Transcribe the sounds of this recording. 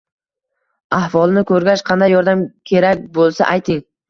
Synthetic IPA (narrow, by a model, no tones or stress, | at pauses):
ahvɒlˠnɪkʰɵɾɡʲaʃqʰɑnd̪ajːɒɾd̪amkʲʰe̞ɾakʲbolˠsa̰ʔajt̪ʰɪŋ